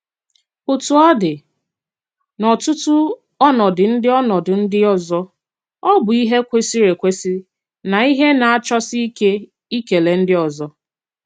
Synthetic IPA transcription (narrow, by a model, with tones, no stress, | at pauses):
pʊ˨tu˨ɔ˦dɪ˨ | nɔ˨tʊ˦tʊ˦ | ɔ˦nɔ˨dɪ˨n̩˦dɪ˦ɔ˦nɔ˨dʊ˨n̩˦dɪ˦ɔ˦zɔ˦ | ɔ˦bʊ˨i˦ɦe˦kʷe˦si˦ɾe˨kʷe˦si˦ | na˨i˦ɦe˦na˨a˦˨t͡ʃɔ˦si˦ke˦ | i˦ke˨le˨n̩˦dɪ˦ɔ˨zɔ˦